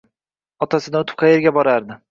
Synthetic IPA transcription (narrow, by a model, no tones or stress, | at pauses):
ɒt̪ʰasɪd̪aʊt̪ʰɪ̥p̚qʰɑjeɾɡʲabɒɾaɾd̪ɪ